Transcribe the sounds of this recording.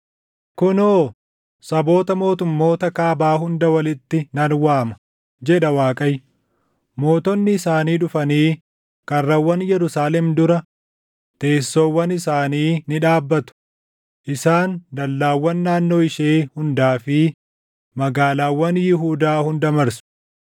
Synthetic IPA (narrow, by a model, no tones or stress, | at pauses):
kʊnoː | sɐbo̞ːt̪ɐmo̞ːt̪ʊmːo̞ːt̪ɐkaːbaːɦʊnd̪ɐwɐlɪt̪ːɪnɐnwaːmɐ̥ | d͡ʒɛᶑɐwaːkʼɐj | mo̞ːt̪ɔnːɪːsaːniːᶑʊfɐniː | kɐrːɐwːɐnjɛɾʊsaːlɛmd̪ʊɾɐ | t̪e̞ːsːoːwːɐnɪsaːniːnɪᶑaːbːɐt̪ʊ̥ | ʔɪsaːnd̪ɐlːaːwːɐnːaːnːo̞ːɪʃeːhʊnd̪aːfɪ | mɐɡaːlaːwːɐnjɪɦuːd̪aːhʊnd̪ɐmɐɾsʊ̥